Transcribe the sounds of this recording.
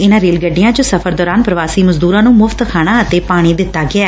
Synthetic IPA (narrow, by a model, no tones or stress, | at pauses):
ɪnãːɾeːlɡəɖːɪjãːt͡ʃʊsəfʰəɾd̪ɔːɾaːnpəɾəʋaːsiːməzd̪uːɾãːnũːmʊft̪kʰaːɽ̃aːət̪eːpaːɽ̃iːd̪ɪt̪ːaːɡɪaː